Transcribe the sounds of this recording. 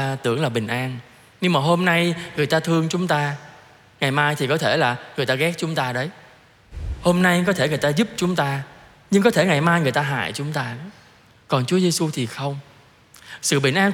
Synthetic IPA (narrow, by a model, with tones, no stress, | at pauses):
t̪ɨ̰˧˩əŋlaː˨˩ɓï˨˩ŋ̟ʔaː˧n | ɲɨ˧ŋmaː˨˩ɦo˧mna˧jŋɨ˨˩əjt̪aː˧t̪ʰɨ˧əŋt͡ɕʊ˨˦ŋ͡mt̪aː˧ | ŋa˨˩jmaː˧jt̪ʰi˨˩kɔ˨˦t̪ʰe˧˩laː˨˩ŋɨ˨˩əjt̪aː˧ɣɛ˦˥k̚t͡ɕʊ˨˦ŋ͡mt̪aː˧ɗə˨˦j | ho˧mna˧jk̬ɔ˨˦t̪ʰe˧˩ŋɨ˨˩əjt̪aː˧zu˦˥p̚t͡ɕʊ˨˦ŋ͡mt̪aː˧ | ɲɨ˧ŋkɔ˨˦t̪ʰe˧˩ŋa˨˩jmaː˧jŋɨ˨˩əjt̪aː˧ɦa̰ː˧˨jt͡ɕʊ˨˦ŋ͡mt̪aː˧˨˦ | kɔ˨˩nt͡ɕu˨˦əze˧su˧t̪ʰi˨˩xə˧wŋ͡m | sɨ̰˧˨ɓḭ˧˩n̟ʔaː˧